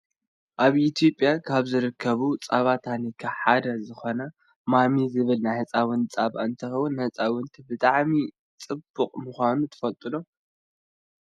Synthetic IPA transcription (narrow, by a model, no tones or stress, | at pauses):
ʔaβit̪ʰijo̞pʼjakʰaβzɨɾɨkʰːɐβut͡sʼaβat̪ʰanikʰaħad̪ɐzɨxo̞nɐ | mamizɨβɨlnajhɨt͡sʼawɨnt͡sʼaβaɨnt̪ʰɐxɐwʊnːɐt͡sʼawʊnt̪ʰibɨt̪ʼaʕmi | t͡sʼɨbːukʼmuxʷanut̪ʰɨ̥fɐlt̪ʼɨlo